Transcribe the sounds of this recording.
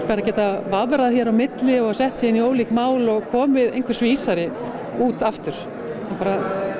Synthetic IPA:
paɾacɛːt̪avaːvɛɾaðçjɛɾawmɪt̪lɪɔɣasɛht̪siːɪnioːwliːkmaːwlɔɣkʰɔːmɪðejnkvɪɾ̥svɪiːsaɾɪ | uːt̪aft̪ʏɾ̥ | apaːɾa

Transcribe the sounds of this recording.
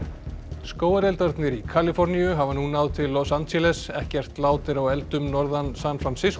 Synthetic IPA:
skoːwaɾɛlt̪aɾt̪nɪɾikʰalɪfɔɾnijʏɦavanunːawðt̪ʰɪlːɔsant̪sɛlɛsɛhcɛr̥t̪laːwt̪ɪɾawɛlt̪ʏmnɔɾðansanfɾansɪs

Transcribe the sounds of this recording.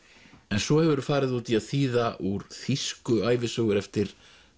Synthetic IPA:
ɛnsvɔhɛvʏɾʏfaːɾɪðut̪ʰiaðθiːðaʔuɾ̥θiskʏaːjvɪsœːɣʏɾɛft̪ɪɾ̥

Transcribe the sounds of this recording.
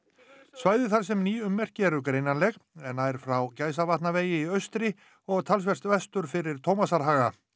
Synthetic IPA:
svaːjðɪθaɾ̥s̬ɛmniːʏmːɛr̥cɪɛɾʏkɾejnanlɛɣɛnhaðɛɾfɾawcaːjs̬avat̪naveːjɪiœɥst̪ɾɪ | ɔɣt̪ʰals̬vɛr̥st̪vɛst̪ʏɾfɪɾɪɾ̥t̪ʰowmasaɾɦaːɣa̰

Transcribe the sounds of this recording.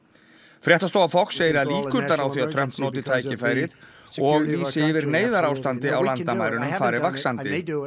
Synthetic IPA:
fɾjɛht̪ast̪owafɔkseːjɾɪɾaðliːkʏt̪laɾawθiaðt̪ʰɾœm̥t̪nɔːt̪ɪt̪ʰaːjcɪfaːjɾɪð | ɔɣiːsɪɪvɪɾneːjðaɾawst̪ant̪ɪawlant̪amaːjɾʏnʏmfaːɾɪvaksant̪ɪ

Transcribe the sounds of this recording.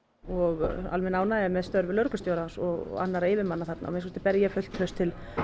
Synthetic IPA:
ɔɣa̰lmɛnaːwnaːðmɛðst̪œɾvɪlœɾkʏst̪joːwɾansɔɣa̰nːaɾaɪːvɪmanːaθat̪na̰ɔ̰mɪnskst̪ɪ̥pɛɾjɪjɛfʏl̥t̪ʰœst̪ʰːɪl

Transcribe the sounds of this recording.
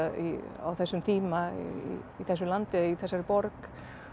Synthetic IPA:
ḭa̰wθɛsːʏmt̪ʰiːmaḭiθɛsːʏmlant̪ɪiθɛsːaɾɪpɔɾk

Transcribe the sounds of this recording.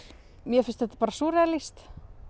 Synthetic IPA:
mjɛfɪnst̪ðɛht̪ːḁpaːɾasuːɾɛalist̪

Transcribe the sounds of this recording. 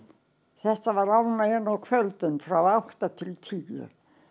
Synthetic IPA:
θɛht̪avaɾawnːaɛnːawkʰvœlt̪ʏnfɾawawht̪at̪ʰɪlt̪ʰijʏ̰

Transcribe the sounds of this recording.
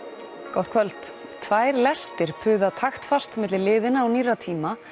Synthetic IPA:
kɔht̪̚kʰvœlt̪ | t̪ʰvaːjɾlɛst̪ɪɾ̥pʰʏːðat̪ʰaxt̪fast̪mɪt̪lɪlɪːðɪnaːwniːrat̪ʰiːma

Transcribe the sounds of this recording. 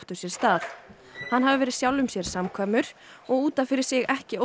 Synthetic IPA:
ht̪ʏsjɛɾ̥st̪aːθ | hanːɦavɪvɛːɾɪðsjawlʏmsjɛɾ̥samkʰaːmʏɾ̥ | ɔɣuːt̪anfɪɾɪɾ̥sɪɣɛhcɪo

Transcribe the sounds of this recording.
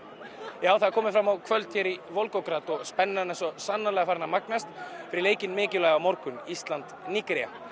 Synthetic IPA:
jaːwθaðaɾkʰɔːmɪfɾamːawkʰvœlt̪çjɛɾivolkɔwkɾat̪ɔɣspɛnːaɛnɛnsɔsanːalɛɣafaɾnamaknast̪fɪɾɪleːjcɪnmɪːcɪlaːjɣamoɾkʏnist̪lant̪nikɾija̰

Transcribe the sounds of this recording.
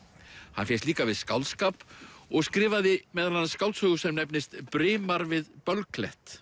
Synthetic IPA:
hanfjɛst̪liːkavɪðskawlskapɔɣskɾɪːvaðɪmɛðanːskawlt̪sœɣʏsɛmnɛpnɪst̪pɾɪːmaɾvɪðpœlklɛht̪

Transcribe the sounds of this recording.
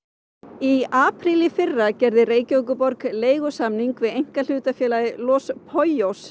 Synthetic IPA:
iaːpʰɾilɪfɪrːacɛɾðɪreːjcowkʏpɔɾkleːjɣʏsamniŋkvɪðejŋ̥kal̥ʏːt̪afjɛːlaðɪlɔspʰɔjos

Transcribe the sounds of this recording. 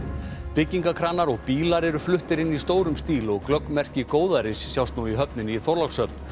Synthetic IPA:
pɪcːiŋkakʰɾaːnːaɾɔɣpiːlaɾɛɾʏflʏht̪ɪɾɪnːist̪oːwɾʏmst̪iːlɔɣklœkmɛr̥cɪkoːwðaɾɪsːjawst̪nuiɦœpnɪniθɔɾlaksœpn̥

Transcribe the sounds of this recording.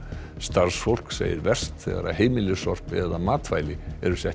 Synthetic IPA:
st̪aɾ̥sfowl̥ksḛːjɪ̰ɾvɛr̥st̪θɛ̰ɣa̰ɾaɦeːjmɪlʏsɔr̥pɛðamaːt̪fajlɪɛɾʏsɛh

